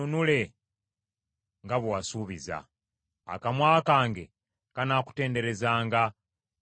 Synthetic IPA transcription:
unule̞ | ŋɡaβwwasuːβiza̰ː | kamwaːkaːŋɡe̞ | kanaːku̥te̞ːnde̞ɾe̞zaːŋɡa

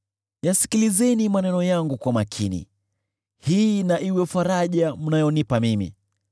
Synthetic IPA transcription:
jasi̥kilizɛnimanɛnɔjaŋɡukwamakʰinḭ | hiːnaʔiwɛfaɾaʄam̩najɔnipamimḭ

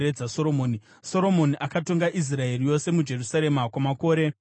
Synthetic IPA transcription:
ed͡zaso̞ɾomoːni | soɾo̞mo̞niʔakato̞ŋɡaʔis̬rae̞rijo̞se̞mud͡ʒe̞rusaɾe̞makwamako̞ːɾe̞

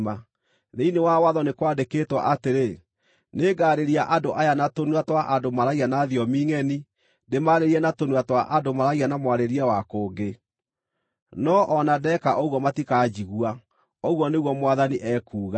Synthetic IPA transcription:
ma | ðeinewawaðɔnekwaːdeketwa̰ʔateɾe | neɡaːɾeɾiaʔandoʔajanatonwatwaʔadomaɾaianaðiɔmiːŋɛni | demaɾeɾiɛnatonwatwaʔadomaɾaianamwaɾeɾiawakoːɡe | nɔʔɔnadɛkaʔoɣwɔmatikad͡ʑiɣwa | oɣwɔneɣwɔmwaðaniʔɛːkuːɣa

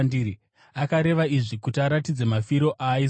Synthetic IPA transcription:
diːɾi | akaɾe̞ʋaiʐikutiaɾatid͡ze̞mafiɾo̞ʔai

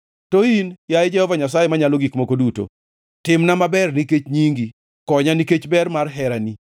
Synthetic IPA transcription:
toinjajed͡ʒɛhɔvaɲasajemaɲaloɡikmokoduto̰ | tɪmnamabɛrniket͡ʃɲiŋɡi | kɔɲaniket͡ʃbɛrmarɦɛɾani

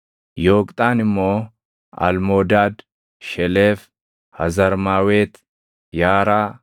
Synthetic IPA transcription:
jo̞ːkʼt̪ʼaːnɪmːo̞ː | ɐ̰lmoːd̪aːd̪ | ʃɛleːf | hɐzɐɾmaːweːt̪ | jaːɾaː

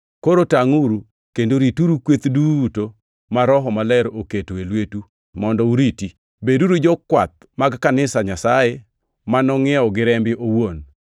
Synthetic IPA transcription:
koɾotaŋuɾu | kendoɾituɾukwet̪duto | maɾɔɦɔmalɛɾoketoelwetu | mɔndɔuɾiti | beduɾud͡ʒɔkwa̰t̪̚maɡkanɪsaɲasaje | manɔŋɪɔɡɪɾɛmbɪʔowon

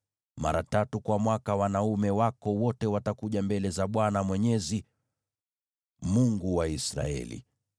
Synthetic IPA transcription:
ma̰ɾatatukwamwakawanaumɛwakɔwɔtɛwatakuʄambɛlɛzaɓwanamwɛɲɛzi | muŋɡuwaisɾa̰ɛ̰lḭ

